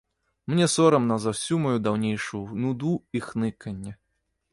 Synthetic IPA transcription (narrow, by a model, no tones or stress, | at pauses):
mnʲɛsɔɾɐmnɐzawsʲumajud̪awnʲejʂujunud̪uixnɨkɐnʲːɛ